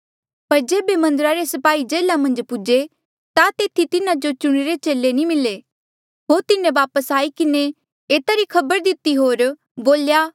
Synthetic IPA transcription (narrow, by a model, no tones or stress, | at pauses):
pɐɾd͡ʒeːbemɐ̃nd̪əɾaɾesɐpaːid͡ʒeːlamɐ̃nd͡ʒpʊd͡ʒe | t̪at̪eːt̪ʰit̪ɪnad͡ʒot͡ʃʊɽ̃eɾet͡ʃeːlenĩmɪle | ɦoːɾt̪ɪnẽʋaːpəsaːikɪne | eːt̪aɾikʰɐbəɾd̪ɪt̪ːiɦoːɾ | boːljaː